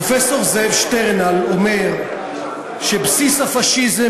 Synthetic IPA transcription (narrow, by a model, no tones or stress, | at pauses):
ofeso̞ʁzevʃt̪eʁnalome̞ʁ | ʃebsishafaʃize